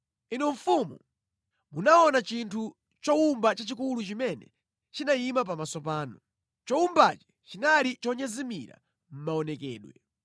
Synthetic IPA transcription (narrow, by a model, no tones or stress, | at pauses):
inɔɱ̩fumṵ | munaɔnat͡ʃintʰu | t͡ʃɔumbat͡ʃat͡ʃikulut͡ʃimɛnɛ̰ | t͡ʃinaimapamasɔpaːnɔ | t͡ʃɔumbat͡ʃi̥ | t͡ʃinalit͡ʃɔɲazimiɾa̰ | m̩maɔnɛkɛːɗwɛ̰